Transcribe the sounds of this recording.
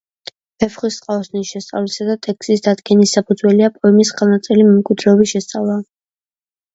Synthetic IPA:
b̥ʰɛfχwist̪sʼqʼaɔsnisʃɛst̪sʼa̰vlisad̪at̪ʼɛkst̪ʼisd̪ad̪ɡɛnisːapʰud̪zwɛliapʼɔɛmisχɛlˠnat̪sʼɛlimɛmkʼwid̪ɾɛɔbisʃɛst̪sʼavlˠa

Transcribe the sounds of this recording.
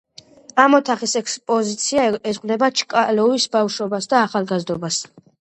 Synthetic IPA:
amɔt̪ʰaχisɛkspʼɔzit̪sʰiaɛzʼqʼnɛbat͡ʃʰʼkʼalɔvisbafʃɔbasd̪aːχalˠɡazd̪ɔbas

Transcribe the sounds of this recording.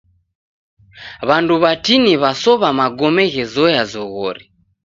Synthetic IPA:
βanduβatiniβasɔβamaɡɔmɛɣɛzɔjazɔɣɔɾi

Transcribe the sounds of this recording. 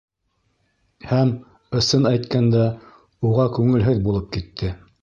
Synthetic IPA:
hæm | ɤ̆sɤnæjt̪kænd̪æ | uʁɑkʉŋɘ̆lɦɘðbulˠɤp̚kit̪ʰːɘ

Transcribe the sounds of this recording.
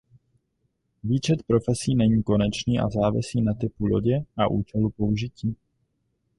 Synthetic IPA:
viːt͡ʃɛt̪pɾo̞fɛsiːnɛɲiːko̞nɛt͡ʃniːʔa̰zaːvɪsiːnat̪ɪpulo̞̰ɟɛʔaʔuːt͡ʃɛlupo̞uʒɪciː

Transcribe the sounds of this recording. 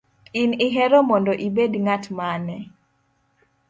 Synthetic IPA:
ɪnɪɦɛɾɔmɔndɔʔibedŋatmanɛ

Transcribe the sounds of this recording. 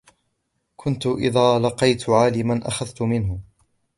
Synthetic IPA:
kʰʊnt̪ʊʔɪðaːlɑqɑjt̪ʊʕaːlɪmanʔa̰xaðt̪ʊmɪnɦʊ

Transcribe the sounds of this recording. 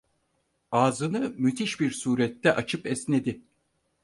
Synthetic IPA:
aːzɯnɯmyt̪ʰiʃbiɾsuːɾɛt̪ʰːɛʔat͡ʃʰɯpɛsned̪ɪ

